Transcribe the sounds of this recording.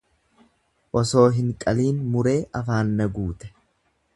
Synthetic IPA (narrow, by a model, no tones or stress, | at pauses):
ʔɔso̞ːɦɪŋkʼɐliːnmʊɾe̞ːʔɐfaːnːɐɡuːt̪ɛ̥